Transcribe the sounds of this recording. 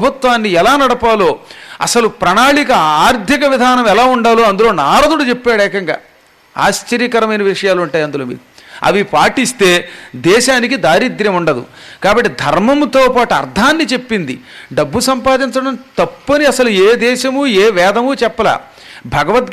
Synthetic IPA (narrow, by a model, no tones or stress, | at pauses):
bʱut̪ʋaːnːiɛlaːnɐɽɐpaːlo̞ːɐ̰sɐlupɾɐɳaːɭikɐaːɾd̪ʱikɐʋid̪ʱaːnɐmɛlaːuɳɖaːlo̞ːɐnd̪ulo̞ːnaːɾɐd̪uɽut͡ʃepːaːɽɛːkɐŋɡa̰ː | a̰ːst͡ʃɐɾijkɐɾɐmɐjnɐʋiʂɐjaːluɳʈaːjɐnd̪uloːmḭːɾuɐ̰ʋipaːʈist̪e̞ːd̪ɛːʃaːnikid̪aːɾid̪ɾɐmuɳɖɐd̪ṵ | kaːbɐʈːid̪ʱɐɾmɐmt̪o̞ːpaːʈuɐ̰ɾd̪ʱaːnːit͡ʃe̞pːind̪ḭɖɐbːusɐmpaːd̪iɲt͡ʃɐɽɐmt̪ɐpːɐniɐsɐlueːd̪ɛːʃɐmueːʋɛːd̪ɐmut͡ʃɛpːɐla̰ː | bʱɐɡɐʋɐt̪̚